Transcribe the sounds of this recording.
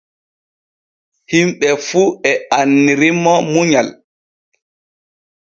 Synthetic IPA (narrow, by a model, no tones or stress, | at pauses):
himɓɛfuɛanːiɾimɔmuɲal